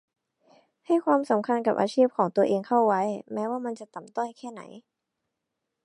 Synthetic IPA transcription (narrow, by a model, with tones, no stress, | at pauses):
ha˥˩jkʰwaː˧msa˩˦mkʰa˧nka˨˩p̚ʔaː˧t͡ɕʰiː˥˩p̚kʰɔː˩˦ŋt̪u˧ɐʔeː˧ŋk̪ʰa˥˩wwa˦˥jmɛː˦˥waː˥˩ma˧nt͡ɕa˨˩t̪a˨˩mt̪ɔ˥˩jkʰɛː˥˩na̰˩˦j